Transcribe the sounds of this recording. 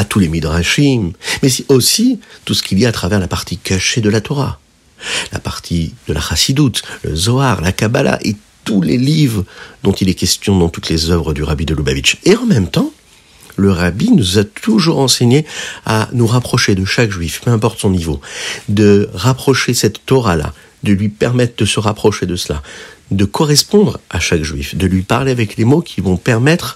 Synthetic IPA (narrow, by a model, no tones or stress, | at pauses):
at̪ulemid̪ʁaʃimmɛsosit̪usə̥kʰʲiljaːt̪χavɛʁlapaʁt̪ikaʃed̪əlat̪ɔʁa̰ | la̰paʁt̪ʰid̪̥əla̰ʁasid̪ut̪lə̰zɔaʁlakabala̰ʔet̪ulelivʁd̪ɔ̃t̪ilɛkʲɛst̪jɔ̃d̪ɑ̃t̪ut̪lezœvʁəd̪yʁabid̪əluba̰vit͡ʃeɑ̃mɛmt̪ɑ̃ | ləʁabinuzat̪uʒuʁɑ̃seɲea̰nuʁapχɔʃed̪əʃakʒɥifpøɛ̃pɔʁt̪sɔ̃nivod̪əʁapχɔʃesɛt̪ːɔʁala̰ | d̪əlɥipɛʁmɛt̪χd̪əsəʁapχɔʃed̪əsəla̰d̪əkʰɔʁɛspɔ̃d̪ʁaʃakʒɥḭfd̪əlɥipaʁleavɛklemokʲʰivɔ̃pɛʁmɛt̪χ